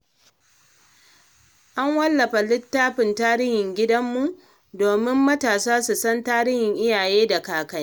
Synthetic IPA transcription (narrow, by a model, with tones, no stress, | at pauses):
ʔa˦ŋwɐ˦lːɐ˨ɸa˨lɪ˦tːaː˦ɸɪ˨ntaː˦ɽɪ˦hɪ˨ŋɡʲɪ˦dɐ˦mːu˨ʔ | doː˨mɪ˦mːɐ˦taː˨saː˦su˨sɐ˦ntaː˦ɽɪ˦hɪ˨ŋʔɪ˦jaː˨jeː˦da˨kaː˨kɐ˦j